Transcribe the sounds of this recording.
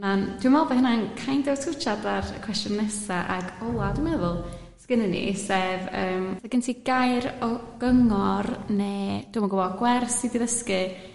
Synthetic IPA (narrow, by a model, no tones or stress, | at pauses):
nand̥wimɔlˠbɛhənankʰajndɛwtʰʊt͡ʃʰadarəkʰw̥ɛstjʊnːɛsaʔaɡɔlˠadwimɛðʊlˠ | skɪnənḭsevəːmsaɡɪntʰiɡajɾɔɡ̥əŋɔrneːd̥umɔɡɔwɔɡwɛrsidiðəskɨ